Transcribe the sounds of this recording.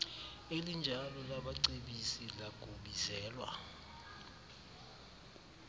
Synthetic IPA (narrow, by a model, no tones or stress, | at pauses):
elind͡ʒʱalɔlaɓaǀeɓisilaɡ̥ʱuɓizɛːlwa̰